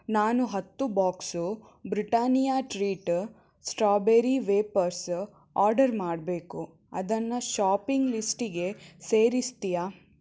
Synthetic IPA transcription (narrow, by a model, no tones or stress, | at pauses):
naːnuɦɐt̪ːubaːksu | bɾiʈaːnijaːʈɾiːʈ | sʈɾaːbeɾiʋeːpɐɾs | aːɾɖɐɾmaːɖbe̞ːku | ɐ̰d̪ɐnːɐʃaːpiŋɡlisʈiɡe̞seːɾist̪ijaː